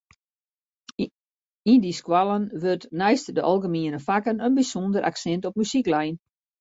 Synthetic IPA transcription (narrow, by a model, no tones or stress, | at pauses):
indiskwalˠənʋørtnɛjstdəʔɔ̰lˠɡəmiənəfakənənbisondəɾʔa̰ksɛntɔp̚mysiklɛjn